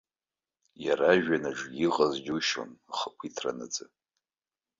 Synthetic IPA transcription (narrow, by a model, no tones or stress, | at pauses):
jaɾaʒᶣanaʈ͡ʂɡiqʼazd͡ʒʲuʃo̰nχakʷʰitʰra̰nad͡zɨ